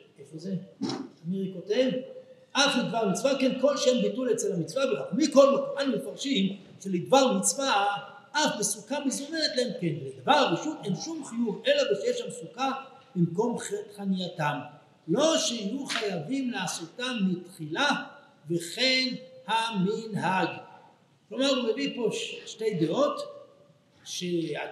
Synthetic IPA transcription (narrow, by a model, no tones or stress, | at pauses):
efuzemiʁikot̪evʔaχlid̪vaʁmit͡svakenko̞lʃembitulet͡selhamit͡svaveʁakmiko̞lmekuχanimefaʁʃim | ʃelid̪vaʁmit͡sva | ʔafbesukamizonenet̪lahemkenvled̪avaʁbeʃut̪enʃumχijuvelabeʃejeʃamsuka | bimko̞mχeχanijat̪am | lo̞ʃehajuχajavimleasot̪amːit̪χila | veχenhaminɦaɡ | klomaʁumevipo̞ʃʃte̞jd̪eo̞t̪ | ʃea